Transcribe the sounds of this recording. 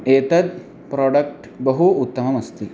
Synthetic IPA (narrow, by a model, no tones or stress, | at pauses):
eːt̪ɐd̪̚ | pɾoːɖɐk̚ʈ | bɐɦuːt̪ːɐmɐmɐst̪i